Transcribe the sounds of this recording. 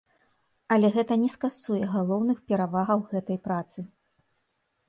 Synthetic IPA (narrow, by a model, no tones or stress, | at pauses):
ɐlʲɛɣɛt̪ɐnʲɛskasujɛɣalˠɔwnɨxpʲɛɾavaɣɐwɣɛt̪ɐjpɾat̪sɨ